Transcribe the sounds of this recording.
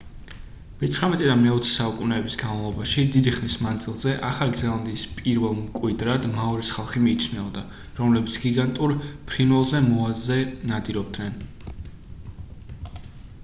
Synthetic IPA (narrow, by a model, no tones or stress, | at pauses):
mɛt̪sχɾamɛt̪ʼɛd̪amɛɔt̪sʰi̥saukʼunɛːbisɡanmalˠɔbaʃid̪id̪iχnismand̪z̥ʼilˠzɛʔaχalid̪zɛlˠand̪iːspʼiɾvɛlˠmkʼwid̪ɾad̪maɔɾisχalˠχimiːt͡ʃʰnɛɔd̪a | ɾɔmlɛbit̪sʰɡ̥iɡant̪ʼuɾpʰɾinvɛlˠzɛmɔazɛnad̪iɾɔb̚d̪nɛn